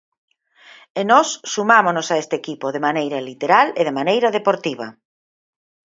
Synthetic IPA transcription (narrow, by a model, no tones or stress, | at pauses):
enɔsːumamonosaest̪ekipoðemanejɾɐlit̪eɾaleðemanejɾɐðepoɾt̪iβ̞ɐ̰